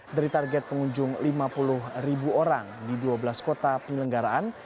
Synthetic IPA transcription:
daɾit̪arɡɛt̪̚pəŋuɲd͡ʒʊŋlimapulʊhribuoɾaŋdiduabəlaskot̪apəɲələŋɡaɾaʔan

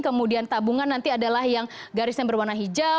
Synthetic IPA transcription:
kəmudiant̪abuŋanːant̪iadalahjaŋ | ɡaɾɪsanbərwanaɦid͡ʒa

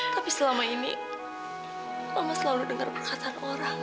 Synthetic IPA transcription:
t̪apisəlamainḭ | amasəlaludəŋarpəkasaanoɾaŋ

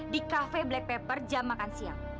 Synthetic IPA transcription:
dikafɛblɛk̚pɛpərd͡ʒamakansia̰ŋ

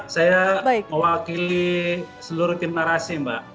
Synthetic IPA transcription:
sajabaməwakilisəluɾut̪imnaɾasimba̰ʔ

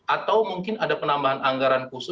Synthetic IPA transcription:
ʔat̪awmuŋkɪnadapənambaɦanaŋɡaɾankusʊ

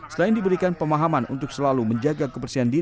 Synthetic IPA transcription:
səlaɪndibəɾikanpəmaɦamanṵnt̪ʊk̚səlaluməɲd͡ʒaɡakəpərsiɦandi

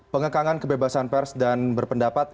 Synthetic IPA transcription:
pəŋəkaŋankəbebasanpɛrsdanbərpəndapat̪̚

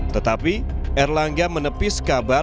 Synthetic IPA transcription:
t̪ət̪api | ʔɛrlaŋɡamənəpɪskaba

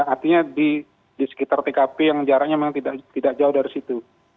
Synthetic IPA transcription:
art̪iɲadi | disə̥kit̪art̪ekapijaŋd͡ʒaɾaɲammaŋt̪idaʔt̪idaʔd͡ʒaʊhdaɾisit̪u

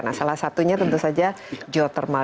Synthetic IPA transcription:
rna̰salahsat̪uɲat̪ənt̪usad͡ʒa | d͡ʒɔt̪ərma

